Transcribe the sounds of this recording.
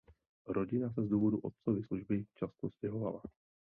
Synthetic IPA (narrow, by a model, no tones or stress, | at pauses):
ɾo̞ɟɪnas̬ɛzduːvo̞duʔot̪̚t͡sovɪsluʒbɪt͡ʃast̪oscɛɦova̰la